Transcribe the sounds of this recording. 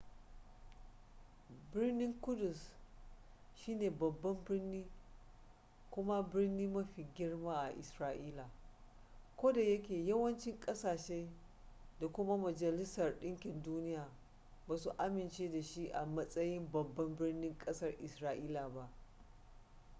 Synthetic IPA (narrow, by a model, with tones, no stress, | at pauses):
bɪ˦rnɪ˦ŋkʊ˦dʊ˨s | ʃiː˦neː˨bɐ˨bːɐ˦mbɪ˦rniː˦ | kʷʊ˦ma˦bɪ˦rniː˦mɐ˦ɸiː˨ɡʲɪ˦rmaː˦ʔa̰˨ʔɪ̰˨sɾaː˦ʔiː˦la˨ | kʷoː˦da˨jɐ˦k̬ʲeː˨jɐ˦wɐ˦nt͡ʃɪ˦ŋkʼɐ˦saː˨ʃe˦ | da˨kʷʊ˦ma˦mɐ˨d͡ʒɐ˨lɪ˦sɐ˨rɗɪ˦ŋkʲɪ˨nduː˦nɪ˦jaː˨ | baː˨su˨ʔa˦mɪ˨nt͡ʃeː˦da˨ʃi˦ʔa˨mɐ˦sʼɐ˦jɪ˦mbɐ˨bːɐ˦mbɪ˦rnɪ˦ŋkʼɐ˦sɐ˦rʔɪ˨sɾaː˦ʔiː˦la˨ba˦ʔ